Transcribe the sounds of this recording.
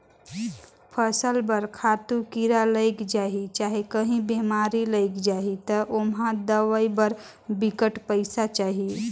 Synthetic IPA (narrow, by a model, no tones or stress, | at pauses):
pʰəsəlbəɾkʰaːt̪ukiɾaləɪkd͡ʒaːɦit͡ʃaːɦekəɦĩbeːmaːɾiləɪkd͡ʒaːɦit̪əʔomɦãd̪əʋəibəɾ | bɪkəʈpəɪsat͡ʃaːɦie